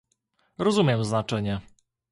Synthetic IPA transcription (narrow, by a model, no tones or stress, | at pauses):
ɾɔzumʲjɛmznat͡ʂɛɲɛ